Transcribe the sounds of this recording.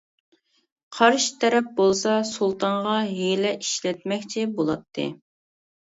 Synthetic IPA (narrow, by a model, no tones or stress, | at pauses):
qʰɑɾʃi̥t̪ʰɛɾɛp̚bolˠsɑsulˠt̪ʰɑnʁɑɦelɛʔiʃlɛt̪̚mɛkʲt͡ʃʰɛbolˠɑt̪ʰːɨ̰